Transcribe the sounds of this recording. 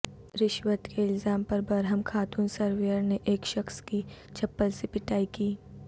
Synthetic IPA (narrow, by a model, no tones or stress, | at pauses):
ɾɪʃwət̪kʰeɪlzaːmpɐɾbɐɾɦəmkʰaːt̪uːnsɐɾʋejəɾneʔeːkʃɐxskit͡ʃʰɐpːəlsepɪʈaːikiː